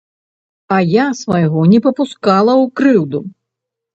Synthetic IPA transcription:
ɐjasvɐjɣɔnʲɛpɐpuskalˠɐwkɾɨwd̪u

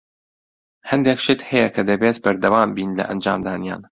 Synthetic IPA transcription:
hɐnd̪ekʃɪt̪hɐjɛkʰɐd̪ɐbeːt̪bɐɾd̪ɐwaːmbiːnlɐ̰ʔɐnd͡ʒaːmd̪aːnija̰ːn

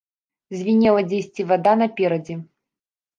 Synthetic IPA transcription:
zʲvʲinʲɛlˠɐd͡zʲesʲt͡sʲivad̪anɐpʲɛɾɐd͡zʲɛ

